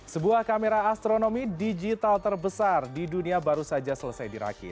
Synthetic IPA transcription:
səbuahkameɾaːst̪ɾonomidid͡ʒit̪alt̪ərbəsardiduniabaɾusad͡ʒasələsajdiɾa̰kɪ̰t̪̚

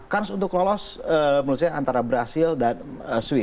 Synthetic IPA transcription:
karsunt̪ʊklɔlɔsəmənus̬aaa̰nt̪aɾabəɾasɪldan | əsuwɪ

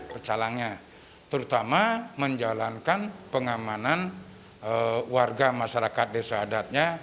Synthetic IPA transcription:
pət͡ʃalaŋɲa | t̪əɾut̪amaməɲd͡ʒalankanpəŋamanan | əwarɡamaʃaɾakat̪̚desəɦadat̪̚ɲa

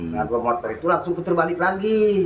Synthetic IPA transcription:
ɡanlɔmɔt̪ɔɾit̪ulaŋsuŋput̪ərbalɪk̚laɡi

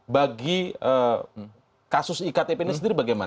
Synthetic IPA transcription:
baɡiə | kasʊsikat̪epenisəndiɾibaɡajman

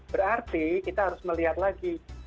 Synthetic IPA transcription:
b̥əɾart̪ikit̪aɦaɾʊsməliɦat̪laɡi

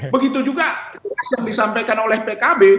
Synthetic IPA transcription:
bəɡit̪ud͡ʒuɡad͡ʒəasjaŋdisampajkanolɛhpekabe

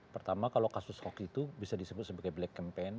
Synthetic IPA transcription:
pərt̪amakalokasʊshɔkit̪ubisadisəbʊt̪̚səbaɡajblɛkːɛmpɛn

